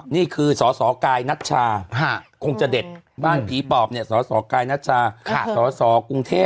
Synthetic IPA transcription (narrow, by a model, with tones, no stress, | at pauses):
niː˥˩kʰɯː˧sɔː˩˦sɔː˩˦kaː˧jna˦˥˩t̪̚t͡ɕʰaː˧kʰa˥˩kʰo˧ŋt͡ɕa˨˩de˨˩t̪̚baː˥˩npʰiː˨˩˦pɔː˨˩p̚ni˥˩əsɔː˩˦sɔː˩˦kaː˧jna˦˥t̪̚t͡ɕʰaː˧kʰsɔː˩˦sɔː˩˦ku˧ŋt̪ʰeː˥˩